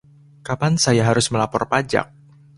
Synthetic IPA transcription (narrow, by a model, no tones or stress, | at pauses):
kapansajaɦaɾʊsməlapɔrpad͡ʒa̰k̚